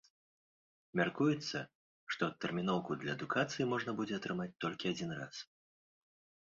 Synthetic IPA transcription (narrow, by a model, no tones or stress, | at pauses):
mʲarkujɛt̪sːɐ | ʂt̪ɔt̪ːɛrmʲinɔwkud̪lʲɐɛd̪ukat̪sɨjimɔʐnɐbud͡zʲɛat̪ɾɨmat͡sʲt̪ɔlʲkʲiad͡zʲinra̰s